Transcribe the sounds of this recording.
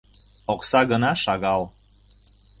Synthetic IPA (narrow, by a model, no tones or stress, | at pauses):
oksɑɣənɑʃɑɣɑl